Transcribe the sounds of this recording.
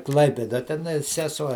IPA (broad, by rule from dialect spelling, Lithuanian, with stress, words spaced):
ˈklˠɐɪpʲeːdɐ tʲɛˈnɐɪ sʲɛˈsuɔ